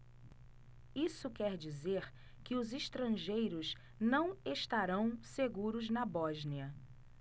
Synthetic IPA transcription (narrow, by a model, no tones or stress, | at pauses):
isʊkɛɾd͡ʒizeɾ | kɪʊziʃt̪ɾɐ̃ʒejɾʊz | nɐ̃w̃eʃt̪aɾɐ̃w̃seɡuɾʊznɐbɔʒniɐ